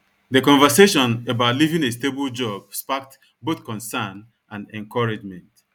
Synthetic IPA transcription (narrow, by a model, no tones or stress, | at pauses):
ðekɔ̃ɱvəseʃɔ̃nebaʊtlivĩŋestebld͡ʒɔb̚spak̚t | boθkɔ̃nsan | ʔãnɛ̃ŋkɔɹad͡ʒmɛ̃nt